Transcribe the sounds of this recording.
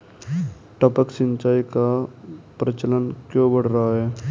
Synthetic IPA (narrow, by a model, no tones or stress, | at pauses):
ʈɔpəksɪ̃ɲt͡ʃaːikapɾət͡ʃələnkjõbəɽ̤ɾaɦaɦɛː